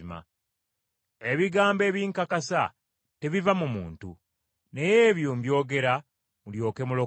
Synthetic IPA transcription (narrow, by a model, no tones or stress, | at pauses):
ma̰ | eβiɡaːmbe̞ːβjiːŋkakasa | te̞βivamumuːntṵ | ne̞jeːβjoːmbjo̞ːɡe̞ɾa | muljo̞ːke̞mulo̞